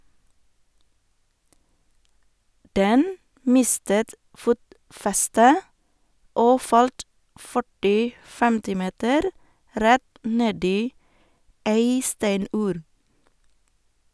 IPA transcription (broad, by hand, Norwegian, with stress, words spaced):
ˈdɛn ˈmɪstət ˈfuːtˌfɛstə ˈoː ˈfɑlt ˈfœʈɪ ˈtɪl ˈfɛmtɪ ˈmeːtəɾ ˈɾɛt ˈneːd ˈiː ˈæɪ ˈstæɪˌnʉːɾ